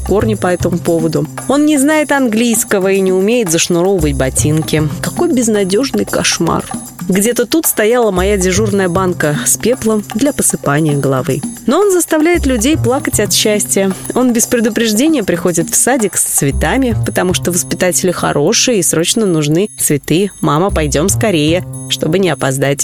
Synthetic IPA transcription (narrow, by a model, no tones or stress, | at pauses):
ko̞rnʲɪpɐɛt̪əmʊpo̞vəd̪ʊo̞nnʲɪznajɪt̪ɐnɡlʲijskəvəinʲɪʊmʲejɪt̪zəʂnʊɾo̞vəvət̚ʲbɐtʲinkʲɪkɐko̞jbʲɪznɐdʲo̞ʐnɨjkɐʂma̰r | ɡdʲe̞t̪ət̪ut̪st̪ɐjalˠəmɐjadʲɪʐurnəjəbankəspʲe̞plˠəmd̪lʲɐpəsɨpanʲɪjəɡəlˠɐ̰vɨ̰noo̞nzəst̪ɐvlʲæjɪt̪lʲʉdʲejplˠakətʲɐt̪ɕːæsʲtʲɪjəo̞nbʲɪspɾʲɪd̪ʊpɾʲɪʐdʲenʲɪjəpɾʲɪxo̞dʲɪt̪fsadʲɪkst̪svʲɪt̪amʲɪpət̪ɐmuʂt̪ovəspʲɪt̪atʲɪlʲɪxɐ̰ɾʔo̞ʂɨjəisɾo̞t͡ɕnənʊʐnɨt̪svʲɪt̪ɨmaməpɐjdʲo̞mskɐɾʲejəʂt̪o̞bɨnʲɪɐpɐzd̪atʲ